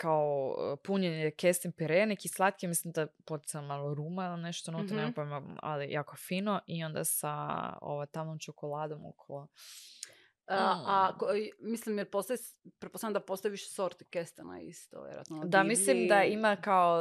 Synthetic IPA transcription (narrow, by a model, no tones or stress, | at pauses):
kaopuɲenekest̪inpiɾenekislˠat̪kimislimd̪apot̪i̥samalˠoɾuːmailineʃt̪onut̪aɾnepomaa̰lijaːko̞fiːnoʔio̞nd̪a̰sao̰ʋajt̪amomt͡ʃokolaːd̪o̞mo̰kʰolo | akomislimjeɾpost̪aʋis | pɾetposamd̪apost̪aiʋiʃsoɾt̪i̥kest̪ena̰ḭst̪o̰ʋjḛɾṵa̰t̪nod̪amislimd̪aimakao